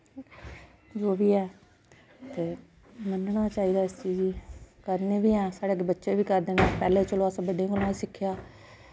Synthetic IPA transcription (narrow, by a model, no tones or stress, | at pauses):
d͡ʒoːbiːɛː | t̪eː | mənɳaːt͡ʃaːiːd̪aːɪst͡ʃiːd͡ʒiːkəɾneːʋiːɛːsaːɽeːəɡebətːʃeːbiːkəɾd̪eːnepɛːleːt͡ʃəloaːsə̃bəɖẽːɡəlãːisɪkʰːjaː